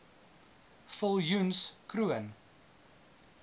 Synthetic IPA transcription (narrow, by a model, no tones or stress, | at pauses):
fəlˠjunskɾuən